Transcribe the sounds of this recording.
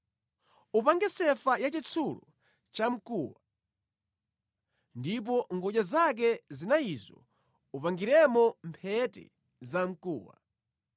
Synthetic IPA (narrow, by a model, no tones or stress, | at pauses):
upaŋɡɛsɛfajat͡ʃit͡sʰulɔ | t͡ʃam̩kuːwa | ndip̬ɔŋɡɔʄazak̬ɛzinaizɔ̰ | upaŋɡiɾɛmɔmpʰɛtɛ̰ | zam̩kṵːwa̰